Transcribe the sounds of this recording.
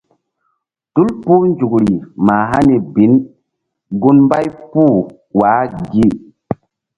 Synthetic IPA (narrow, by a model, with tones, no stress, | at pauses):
tu˦lpu˦nd͡ʒu˨kɾi˨ma˨ɦa˦ni˨bi˨˦n | ɡu˦nmba˦jpu˦˨ | wa˨˦ɡi˦˨